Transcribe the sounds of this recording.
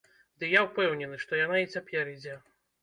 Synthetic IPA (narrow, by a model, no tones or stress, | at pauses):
d̪ɨjawpɛwnʲɛnɨʂt̪ɔjan̪ait͡sʲapʲɛɾid͡zʲɛ